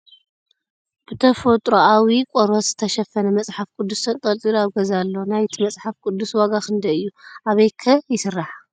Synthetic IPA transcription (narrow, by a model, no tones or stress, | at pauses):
b̥ɨt̪ʰɐfot̪ʼɾoawikʷʼɔɾwot̪z̥ɨt̪ʰɐʃɐfɐnɐmɐt͡sʼħafkʼud̪ːusɐnt̪ʼɐlt̪ʼilaβɡɐzalːonajt̪ʰimɐt͡sʼħafkʼud̪ːuswaɡakʰɨnd̪ɐɨjːuʔaβɐjkʰɐjɪsɨrːaħa